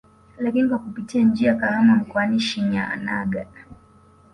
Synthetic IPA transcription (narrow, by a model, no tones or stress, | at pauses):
lakinikwakupitiand͡ʒiakahamam̩kɔaniʃiɲaa̰na̰ɡa